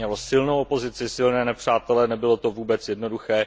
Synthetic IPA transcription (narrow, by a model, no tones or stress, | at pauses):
ɲɛlosɪlnowʔopo̞zɪt͡sɪsɪlnɛːnɛpr̝̥aːt̪ɛlɛnɛbɪlo̞t̪o̞vuːbɛt͡sjɛdno̞duxɛː